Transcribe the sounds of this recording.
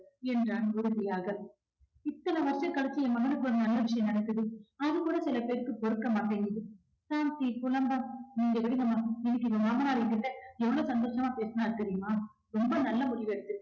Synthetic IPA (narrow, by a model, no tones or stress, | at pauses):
ɛndraːnʊɾɯðɪjaːɣɐ | ɪt̪ːɐlɐʋɐɾʂɐ̃ŋkɐɭɐt͡ʃːɯɛmɐɣɐɭɯkːɯɔɾɯnɐlːɐʋɪʂɐjɐ̃mnɐɽɐkːɯðɯɐðɯkuːɽɐsɪlɐpeːɾkːɯpɔɾɯkːɐmaːʈːɐnɪðɯ | saːmt̪ikʊlɐmbɐmniːŋɡɐʋɪɽɪɣɐmaːɪðɯkːɯɪpːɐmaːmɐnaːlɐkːɪʈːɐɛʋːɐɭoːsɐnd̪oːʂɐmaːpeːsɐnaːɪɾɯkːɯɾɪjɯmaː | ɾɔmbɐnɐlːɐmʊɽɪʋeɽɯt̪ːɯ